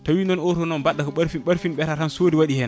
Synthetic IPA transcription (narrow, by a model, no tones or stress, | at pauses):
tawinɔnɔtɔnɔnbaɗːakɔɓaɾfinɓaɾfinɓɛtatansoːdiwaɗihɛn